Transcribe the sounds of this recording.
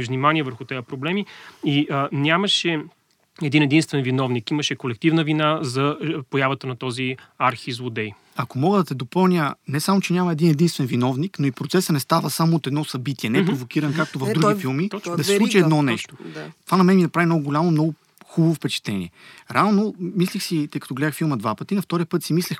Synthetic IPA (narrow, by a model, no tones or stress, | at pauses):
vnʲimaniɛvəɾxʊt̪ɛjəpɾoblɛmiinʲaməʃɛ | ɛd̪inɛd̪inst̪vɛnvinɔvnikiməʃɛkolɛk̚t̪ivnəvinazɐpojavət̪ənɐt̪ɔziaɾxizvod̪ɛj | ɐkomɔɡəd̪ɐt̪ɛd̪opɤlˠnʲjənɛsamot͡ʃɛnʲamɐɛd̪inɛd̪inst̪vɛnvinɔvniknoipɾot̪sɛsənɛst̪avəsamoːt̪ɛd̪nɔsɐbit̪iɛnɛpɾɾovokiɾɐnkak̚t̪ovɐvd̪ɾuɡʲifilˠmid̪ɐsɛslˠut͡ʃiɛd̪nɔnɛʃt̪o̥t̪ovanɐmɛnminɐpɾavinɔɡɡʊlʲamomnɔɡʊ | xubɐvofpɛt͡ʃɛ̥t̪ɛnʲḭɛɾɛalnomislʲixsit̪ɤjkɐt̪ɔɡlɛd̪əxfilˠməd̪vapət̪inɐft̪ɔɾijəpɤt̪simislʲɛx